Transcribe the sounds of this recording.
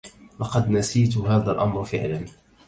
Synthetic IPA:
lɑqɑd̪nasiːt̪ɦaːðalʔamɾfɪʕlan

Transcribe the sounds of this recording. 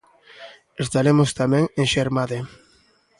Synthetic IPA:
est̪aɾemost̪amɛ̃ŋeŋʃeɾmaðe

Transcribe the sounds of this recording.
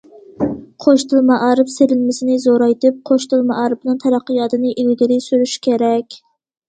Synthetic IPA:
qʰoʃt̪ʰɨlˠmɑʔɑːɾɨpselɪnmɪsɪnɪzoɾɑjt̪ɪp̚qʰoʃt̪ɨlˠmɑʔɑːɾɨbnɨŋt̪ʰæɾæqːəjɑːt̪ʰɨnɨʔilɡʲiɾɪsyɾyʃkʲʰeɾɛkʲ

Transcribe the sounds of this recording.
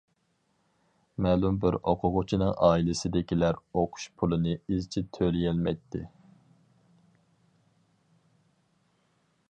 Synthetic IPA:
mɛːlˠumbɪɾoqʰʊʁʊt͡ʃʰinɨŋʔɑːilɪsɪd̪ɪkʲilæɾoqʰʊ̥ʃpʰulˠɨnɨizt͡ʃʰɛt̪ʰølijɛlmɛjt̪ʰːɪ̰

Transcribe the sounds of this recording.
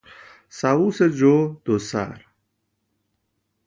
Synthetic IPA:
sawused͡ʑod̪̥osa̰ɾ

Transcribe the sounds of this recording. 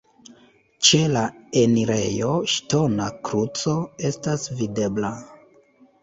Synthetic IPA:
t͡ʃe̞laeniɾe̞jo̞ʃto̞nakɾut͡so̞e̞stasvide̞bla

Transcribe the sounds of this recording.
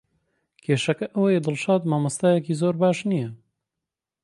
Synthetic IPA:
kʰeːʃɐkɐʔɐwɐjed̪ɨlʃaːd̪maːmɐst̪aːjɛkiːzoːɾbaːʃnijɐ

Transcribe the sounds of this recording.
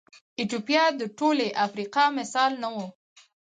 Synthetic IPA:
ɪt̪jopijɑd̪əʈoleʔafɾiqɑmɪsɑlnawo

